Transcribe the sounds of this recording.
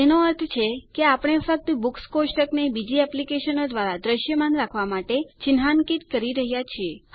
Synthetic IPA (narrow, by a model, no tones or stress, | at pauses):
enoəɾt̪ʰt͡ʃʰekeapəɽ̃efək̚t̪bukskosʈəknebid͡ʒiɛplikeʃənod̪ʋaɾad̪ɾəʃjəmanɾakʰʋamaʈet͡ʃɪnɦankit̪kəɾiɾəɦjat͡ʃʰie